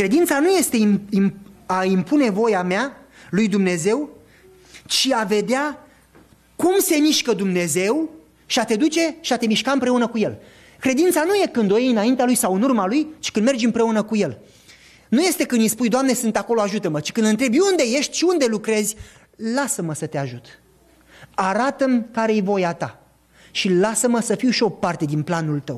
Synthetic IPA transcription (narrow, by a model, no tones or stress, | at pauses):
kɾe̞d̪int̪sanuje̞st̪eiimaimpune̞vo̞jamealujd̪umne̞ze̞w | t͡ʃiave̞d̪ea | kumse̞miʃkəd̪umne̞ze̞w | ʃiat̪e̞d̪ut͡ʃe̞ʃiat̪e̞miʃkaɨmpɾe̞unəkuje̞l | kɾe̞d̪int̪sanuje̞kɨnd̪ojejɨnaint̪ealujsawɨnurmalujt͡ʃi̥kɨnd̪me̞rd͡ʒʲɨmpɾe̞unəkuje̞l | nuje̞st̪ekɨnispujd̪oamne̞sɨnt̪akolo̞aʒut̪əmət͡ʃi̥kɨnd̪ɨnt̪ɾe̞bund̪e̞je̞ʃt̪ʲʃiund̪e̞lukɾe̞zʲ | lasəməsət̪eaʒut̪ | aɾat̪əmkaɾejvo̞jat̪a | ʃilasəməsəfiwʃio̞part̪e̞d̪inplanult̪əw